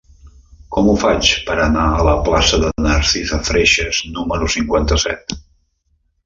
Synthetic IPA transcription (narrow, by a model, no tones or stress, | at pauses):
kɔmufat͡ʃpəɾənaələplasəðənaɾsizəfɾeʃəznuməɾusiŋkwant̪əsɛ̰t̪